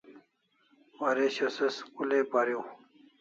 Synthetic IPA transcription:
waɾeɕɐsɐskulepaɾiw

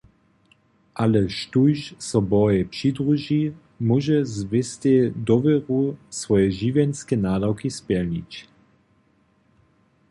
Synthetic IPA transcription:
ʔalɛʃtujʃsɔbɔjɛpʂid̪ʁuʒi | muʒɛzvɪst̪ɛd̪ɔvɛʁusvɔjɛʒivjɛnskɛnaːdawkispɛlnit͡ɕ

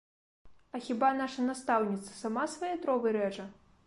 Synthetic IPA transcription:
ɐxʲibanaʂɐnast̪awnʲit̪sɐ̥samasvajɛt̪ɾɔvɨɾɛt͡ʂɐ

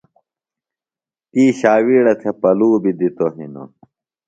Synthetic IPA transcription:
t̪iːɕaːwiːɽɐt̪ʰepɐluːbid̪it̪oɦino̰

